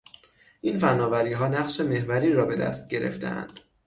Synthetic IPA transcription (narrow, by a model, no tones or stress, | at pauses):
ʔinfænːɒːvæɾiːɦɒːnæɣʃe̞me̞hvæɾiːɾɒːbe̞d̪æ̰st̪̚ɟe̞ɾe̞̰ft̪ḛæ̰nd̪̥